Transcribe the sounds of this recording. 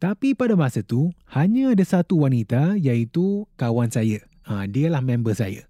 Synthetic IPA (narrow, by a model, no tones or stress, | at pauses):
t̪apipadamasət̪uhaɲə̃ːdasat̪uwanit̪ajait̪ukawansajə | ədiəlahmɛ̃mbəsa̰jə̰